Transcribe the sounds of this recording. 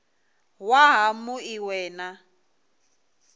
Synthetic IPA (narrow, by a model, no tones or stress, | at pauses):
waɦamʊiwɛːna